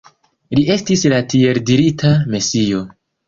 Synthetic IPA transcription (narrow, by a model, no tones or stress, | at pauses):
liʔe̞stislatie̞ɾdiɾitʰamesijo̞